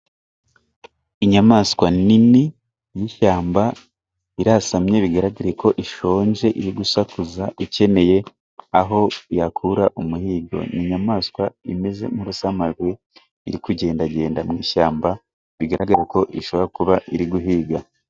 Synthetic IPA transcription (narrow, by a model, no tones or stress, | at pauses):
iɲamaːskwanini | jiʃaːmba | iɾasamɲe̞βiɡaɾaɡaɾeko̞ʔiʃo̞ːɲʒe̞ʔiɾiɡusakuzaʔice̞ne̞je̞ | aɦo̞jakʰuɾaʔumuhiːɡo̞̰nʔiɲamaːskwaime̞ze̞̰muɾusamaɾɡwe | iɾikuɟe̞ːndaɟe̞ːndamŋiːʃaːmba | βiɡaɾaɡaɾko̞ʔiʃo̞βoɾakuβaiɾiɡuɦiːɡa